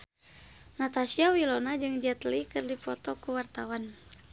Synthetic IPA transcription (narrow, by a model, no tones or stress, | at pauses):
nat̪asiawilɔnad͡ʒɨŋd͡ʒat̪likɨrdipɔt̪ɔkuwart̪awan